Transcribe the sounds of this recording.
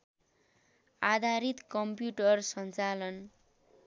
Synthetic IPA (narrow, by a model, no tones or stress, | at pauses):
ad̪ʱaɾit̪kʌmpjuʈʌrsʌnt͡salʌn